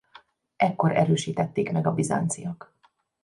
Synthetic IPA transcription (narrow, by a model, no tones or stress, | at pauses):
ɛkːo̞ɾɛ̰ɾøːʃiːt̪ɛt̪ːeːkmɛɡɒbiza̰ːnt̪sijɒk